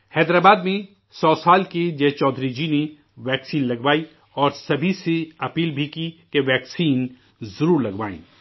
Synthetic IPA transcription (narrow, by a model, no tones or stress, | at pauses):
hɛːd̪ɾaːbaːd̪mẽ | sɔːsaːlked͡ʒɛːt͡ʃɔːd̪ʱɾid͡ʒine | ʋɛːksiːnlɐɡʋaːi | ɔːɾsɐbʱiseɐpiːlbʱikikeʋɛːksiːn | zɐɾuːɾlɐɡʋa̰ːḭ̃ː